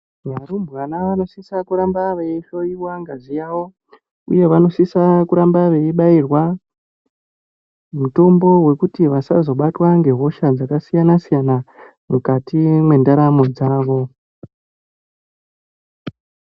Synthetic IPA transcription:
ʋaɾumbwanaʋano̞sisakuɾambaʋe̞iʃo̞jiwaŋɡazijawo̞ | ṵje̞ʋano̞sisakuɾambaʋe̞iɓairwa | muto̞mbo̞we̞kutiʋasazo̞ɓatwaŋɡe̞ɦo̞ʃad͡zakasijanasijana | mukatimwe̞ndaɾamo̞d͡zaːʋo̞

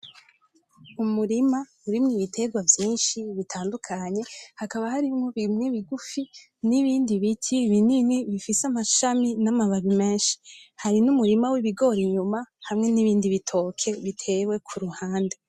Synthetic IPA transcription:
umuɾima | uɾimŋiβitʰe̞ɡwavjiːnʃiβitʰaːndukʰaɲe̞hakaβahaɾimŋo̞βimŋeβiɡufi | niβiːndiβitʰiβininiβifisamaʃaminamaβaβime̞ːʃi̥haɾinumuɾimawiβiɡo̞ɾiɲumahamŋe̞niβiːndiβitʰo̞ːkʰe̞βitʰe̞we̞kʰuɾuhaːnde̞

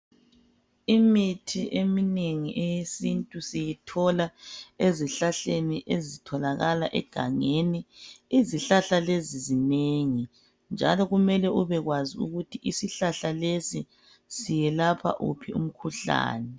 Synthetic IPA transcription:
imitʰiʔemineŋiʔejesintʼusijitʰɔlaeziɬaɬeniʔezitʰɔlaɣalaʔɛ̰ɡ̥ʱaŋeniiziɬaɬalezizineŋi | nd͡ʒʱa̰lɔɣumɛlɛʔuβɛɣwaziṵɣutʰiʔisiɬaɬalesi | sijɛlapʰa̰ʔṵpʰiṵm̩kʰuɬa̰ːnɛ

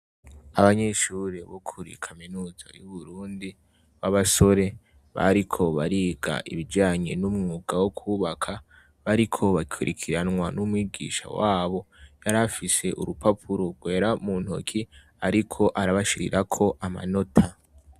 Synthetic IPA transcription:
aβaɲe̞ʃuːɾeβokʰuɾḭkʰaminuːza̰juβuɾuːndi | βaβaso̞ɾe̞ | βa̰ɾikʰo̞βaɾiːɡa̰ʔḭβid͡ʒaːɲe̞̰numŋuːɡawokʰuːβakʰa | βaɾikʰo̞βakʰuɾḭkʰiɾanŋwanumwiːɡḭːʃa̰waːβo̞jaɾafise̞ʔṵɾupapʰuɾoɡwe̞ːɾamuːnho̰kʰi | aɾikʰo̞ʔaɾaβaʃiɾḭɾʔakʰo̞ʔama̰no̞tʰa

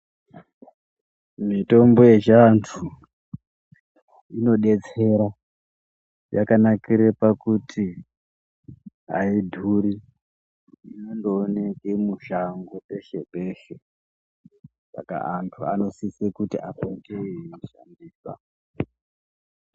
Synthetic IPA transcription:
mito̞mbo̞je̞t͡ʃantʰu | ino̞ɗe̞t͡se̞ɾa | jakanakiɾepakutʰi | aidʱuɾi | inondoːnekemuʃaŋɡope̞ʃe̞pe̞ːʃe | sa̰ka̰antʰua̰no̞sisekutiʔakoteʃa̰ndiːsa̰

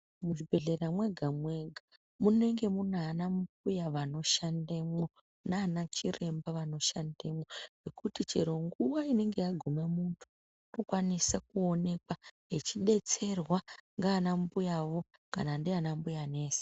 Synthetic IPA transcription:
muʐibʱe̞ɮe̞ramwe̞ɡʱamwe̞ɡʱa | mune̞ŋɡe̞munanambujaʋano̞ʃandemo̞ | naːnat͡ʃire̞mbaʋano̞ʃandemoʐekutit͡ʃe̞̰ɾo̞ŋɡuʋaine̞ŋɡe̞jaɡʱumamuntʰu̥ | nokwanisakuo̞ne̞kwaɦet͡ʃiɗe̞t͡se̞rwaŋɡaːnambujaʋo̞ | ka̰nandianambujane̞ːse̥

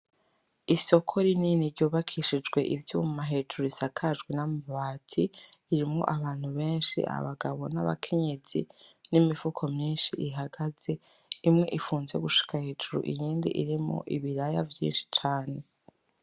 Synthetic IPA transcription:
iso̞kʰo̞ɾininiɾɟuːβakʰiʃid͡ʒɡwe̞ʔivjumaɦe̞ːd͡ʒuɾuisakʰaʒɡwinamaβaːtʰiːɾimŋo̰ʔaβaːn̥huβe̞ːnʃḭʔa̰βaɡaβo̞na̰βa̰kʰe̞ɲe̞z̥ḭnimifukʰo̞mɲiːnʃiʔiɦaɡaze̞ | imŋe̞ʔifuːnze̞̰ɡuʃi̥kʰahe̞ːd͡ʒuɾṵʔḭjiːndḭʔiɾimo̰ʔiβiɾajavjḭːnʃi̥t͡ʃaːne̞

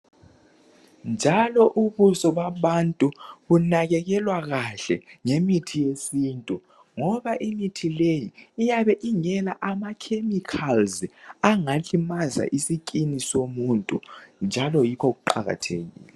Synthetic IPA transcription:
nd͡ʒʱalɔʔuβusɔβaβantʼuβunaɣɛɣɛlwaɣaɬɛŋemitʰijesiːntʼu | ŋɔβaʔimitʰilejiːjaβɛʔiŋɛlaʔamakʰemikʰalzaŋaɬimaza̰ʔisikʼinisomuntʼṵnd͡ʒʱalɔjikʰoɣuǃaɣa̰tʰḛɣḭːlɛ

